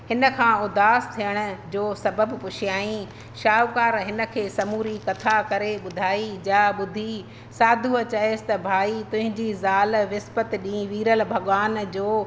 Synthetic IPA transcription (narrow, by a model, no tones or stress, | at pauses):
hɪnə̆kʰãːʊd̪aːst̪ʰijəɽ̃ʊ̆d͡ʑoːsɐbəbpʊʃɪjaːĩ | ʃaːkaːɾɦɪnə̆kʰeːsɐmuːɾikɐt̪ʰakɐɾeɓʊd̪ʱaːid͡ʑaːɓʊd̪ʱi | saːd̪ʱuɐt͡ɕɐɦeːsɪ̥t̪ɐbʱaːit̪ʊ̃ɦɪ̃ɲd͡ʑizaːlʋɪspət̪ɗĩʋiːɾəlbʱɐɠʋaːnd͡ʑoː